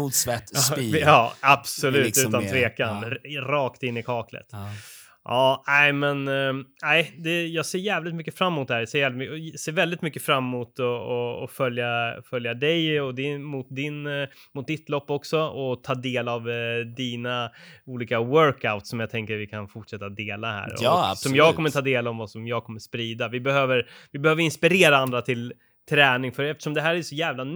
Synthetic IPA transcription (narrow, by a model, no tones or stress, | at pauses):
ud̪svɛt̪ːɑːab̥sɔlʉːt̪ʉ̟ːt̪ant̪ʰveːkanɾɑːkt̪ɪnːɪkʰɑːklə̰t̪ | ʔɑːæɪmɛnæɪd̪ɛjɑːɡseːɾjæːvlɪt̪mʏkːəfɾamːʊːt̪̚d̪ɛhæɾjaseːɾvɛlt̪mkseːɾvɛld̪ɪt̪mʏkːəfɾamːʊt̪ɔɔɔfœljafœljad̪ɛjɔd̪ɛmʊt̪̚d̪ɪnmʊt̪̚d̪ɪt̪lɔpːɔksɔɔt̪ʰɑːd̪eːlavd̪iːnauːliːkawœɾkaʊt̪sɔmjaɡt̪ʰɛŋkəɾvɪkʰanfʊʈʂɛt̪ːad̪eːlahæ̰ːɾɔ̰sɔmjɑːɡkʰɔmːəɾt̪ʰɑːd̪eːlavvasɔmjɑːɡkʰɔmːəʂspɾiːd̪avɪbɛhøːvəɾvɪbɛhøːvəɾɪnspɪɾeːɾaand̪ɾat̪ʰɪl | t̪ʰɾɛːnɪŋfœɾɛft̪ə̥ʂɔmd̪ɛɦæːɾæjsɔjæːvlan